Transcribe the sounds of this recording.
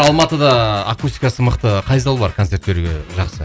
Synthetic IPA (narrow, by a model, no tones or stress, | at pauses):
ɑlˠmɑt̪əd̪ɑːkust̪i̥kɑsəməqt̪əqʰɑjzɑlˠbɑɾkʰot̪se̞ɾt̪be̞ɾuɡʲe̞ʒɑqsə